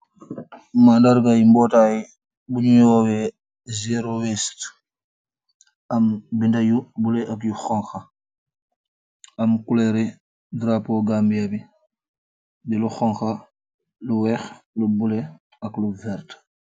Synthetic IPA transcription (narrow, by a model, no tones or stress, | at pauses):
mandaɾɡajimbɔtaj | buɲujɔwɛ | zeɾowɛst | ɐmbindajubulɛʔakjuxɔŋxa | ɐmkuleɾi | dɾapoɡambijabi | diluxɔŋxa | luwɛxlubule | ɐkluvɛɾt